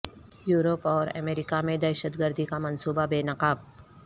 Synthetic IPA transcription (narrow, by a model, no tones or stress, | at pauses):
juːɾopɔːɾɐ̰meːɾɪkamẽd̪ɛːʃət̪ɡəɾd̪ʱikamɐnsuːbabeːnɐqaːb̚